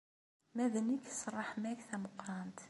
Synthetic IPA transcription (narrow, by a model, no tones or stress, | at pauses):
mæðəniksˤrˤːɑħmækθæmʊqːɾˤɑnt̪